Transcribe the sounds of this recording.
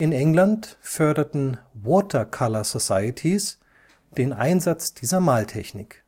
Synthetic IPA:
ʔɪnʔɛŋlantfœɐdɐtn̩wɔːtʰɐkʰalɐzosaɪətʰis | d̥eːnʔa̰ɪnzat͡sd̥iːzɐmaːltʰɛçnɪk

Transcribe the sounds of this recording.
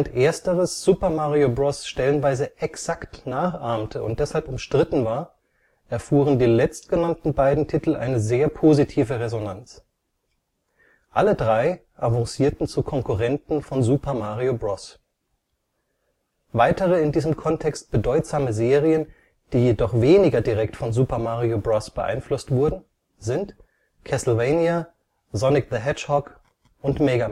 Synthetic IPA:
ntʔeːɐstəʁəsz̥uːpɐmaːʁiobʁɔsʃtɛlənvaɪzəʔɛksaktnaːχʔaɐmtʰəʊ̰nt̚d̥ɛshalpʊmʃtʁ̥ɪtn̩vaːɐ | ʔɛɐfuːʁəndeːnlɛt͡st̚ɡ̥ənantn̩baɪdn̩tʰitl̩ʔa̰ɪnəzeːɐpʰoːzitʰiːvəʁezonant͡s | ʔalədʁaɪ | ʔavɔ̃ŋsiːɐtn̩t͡sukʰɔŋkuʁɛntn̩fɔnzuːpɐmaːʁiobʁɔs | vaɪtəʁəɪndiːzəmkʰɔntʰɛkst̚b̥ədɔʏtz̥aːməzeːʁiən | d̥iːjedɔχv̥eːnɪɡɐdiʁɛktfɔnzuːpɐmaːʁiobʁɔsb̥əʔa̰ɪnflʊstv̥ʊɐdn̩ | zɪnt | kʰɛsl̩veɪnja | zɔnɪkðəɦɛt͡ʃhɔk | ʔʊntmɛɡa

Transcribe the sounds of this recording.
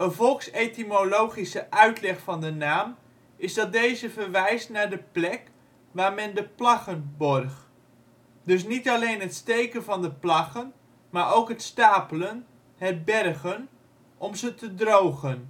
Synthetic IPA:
ənvɔlˠksejtimolowχisəʔœɥtlɛχfɑndənaːm | ɪzdɑt̚dejzəvərʋɛjstnaːɹdəplɛk | ʋaːɹmɛndəplɑχənbɔrχ | dɵs̬nitɑlejnɦətstejkənvɑndəplɑχən | maːɹowkɦətstaːpələn | hɛr̚bɛrɣən | ʔɔmzətədrowɣən

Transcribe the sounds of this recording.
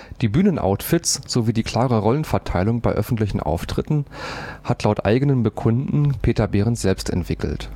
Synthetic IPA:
d̥iːbyːnənʔa̰ʊtfɪtsz̥oviːdiːkʰl̥aːʁəʁɔlənfɛɐtʰaɪlʊŋbaɪʔœfn̩tlɪçn̩ʔa̰ʊftʁ̥ɪtn̩hatlaʊtʔa̰ɪɡənənbəkʰʊndn̩pʰeːtɐbeːʁəntz̥ɛlpstɛ̰ntv̥ɪkl̩t

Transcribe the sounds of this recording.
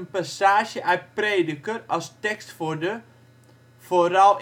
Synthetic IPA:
ənpasaːʒjəʔœɥt̚preːdəkərɔlˠstɛkstfodə | foɾɔlˠ

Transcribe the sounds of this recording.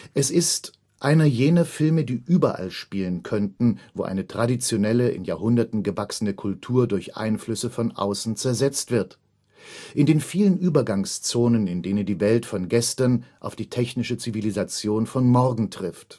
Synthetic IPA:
ʔɛsɪst | ʔaɪnɐjeːnɐfɪlmədiːʔyːbɐʔa̰lʃpiːlənkʰœntn̩vo̰ːʔa̰ɪnətʁ̥adit͡sjonɛləʔɪ̰njaɐhʊndɐtn̩ɡəvaksənəkʰʊltʰuːɐdʊɐçʔa̰ɪnflʏsəfɔnʔa̰ʊsn̩t͡sɛɐzɛt͡stv̥ɪɐt | ʔɪndeːnfiːlənʔyːbɐɡaŋst͡soːnənɪndeːnəndiːvɛltfɔnɡɛstɐnʔaʊfd̥iːtʰɛçnɪʃət͡sivilizat͡sjoːnfɔnmɔɐɡŋ̩tʁ̥ɪft

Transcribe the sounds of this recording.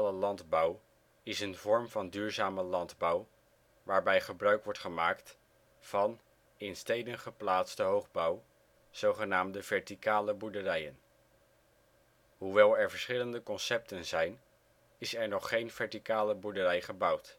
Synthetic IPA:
ləlɑndbɑw | ɪsənvɔɹmvɑndyːɹzaːməlɑndbɑw | ʋaːɹbɛjχəbrœɥkʋɔɹtχəmaːkt | v̥ɑn | ɪnstejdənχəplaːtstəɦowχbʌw | z̥owχənaːmdəvɛɹtikaːləbuɹdərɛjən | ɦuʋɛlˠɛɹvəɹsχɪləndəkɔnsɛp̚tənzɛjn | ɪsɛɹnɔχːejnv̥ɛɹtikaːləbuɹdərɛjχəbʌwt

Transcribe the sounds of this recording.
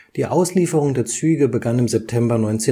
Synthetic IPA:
d̥iːʔaʊsliːfəʁ̞ʊŋdeːɐt͡syːɡəbəɡanɪmzɛp̚tʰɛmbɐnɔʏnt͡seː

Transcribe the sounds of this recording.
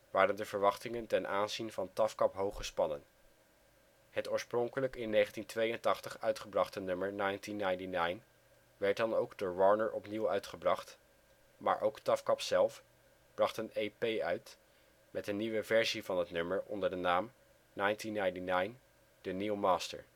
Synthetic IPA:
ʋaːrəndəv̥əɹʋɑχtɪŋəntɛnʔaːnzinvɑntɑfkɑpɦowχəspɑnən | hətoːɹsprɔŋkələkɪnːeχəntintʋejəntɑχtəχœɥtχəbrɑχtənɵməɹnɑjntinːajntinajn | ʋɛɹt̚dɑnowɡdoːɹʋɔɹnəɹʔɔpniwœɥtχəbrɑχt | ma̰ːɹʔowktɑfkɑpsɛlˠf | b̥rɑχtənejpejœɥt | mʔɛtənːiʋəvɛɹzivɑnɦətnɵməɹɔ̰ndəɹdənaːm | nɑjntinːajntinajn | d̥əniwmaːstə̰ɹ

